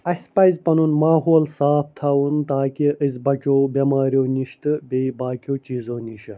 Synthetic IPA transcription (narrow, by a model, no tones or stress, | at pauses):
ɐsʲpɐzpɐnunmaːɦoːlsaːp̚ʰt̪ʰaːwunt̪aːkiʔɨzʲbɐt͡ʃoːbemaːɾjoːniʃt̪ɨbeibaːkʲoːt͡ʃiːzoːniʃɐ